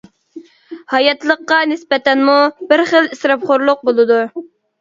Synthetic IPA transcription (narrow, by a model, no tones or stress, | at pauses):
hɑjɑt̪lˠəqːɑnɪspɛt̪ɛnmubɪɾχəlisɾɑpχoɾlˠʊq̚bolˠɨd̪u